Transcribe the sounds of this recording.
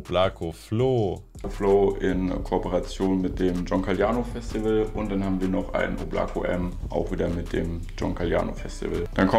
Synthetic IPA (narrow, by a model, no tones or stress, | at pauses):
b̥laːkʰofloː | floːʔɪnkʰopəʁat͡sjoːnmɪt̚d̥eːmd͡ʒɔŋkʰaljaːnofɛstivəlʊnt̚d̥anhaːbm̩viːɐnɔχʔa̰ɪnobla̰ːkʰoʔɛ̰mʔa̰ʊxv̥iːdɐmɪt̚d̥eːmd͡ʒɔŋkʰalja̰ːno̰fɛstḭvə̰ld̥ankʰɔ